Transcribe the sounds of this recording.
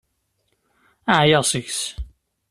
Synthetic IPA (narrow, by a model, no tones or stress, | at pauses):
aʕjəʁsəʝs